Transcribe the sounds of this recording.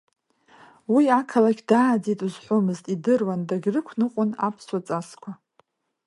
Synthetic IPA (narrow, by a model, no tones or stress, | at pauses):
wiakʰalakʲdaːd͡zitʼuzħʷomɨztʼidɨrwandaɡʲrɨkʷʰnɨqʷʼʊna̰pʰswat͡sʼaskʷʰa